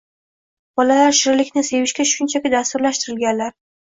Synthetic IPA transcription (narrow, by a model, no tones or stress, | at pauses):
b̥ɒlalaɾʃɪɾlɪkʲnɪse̞vɪʃkʲaʃʊnt͡ʃʰakʲɪd̪ast̪ʊɾlaʃt̪ɪɾɪlɡʲanlaɾ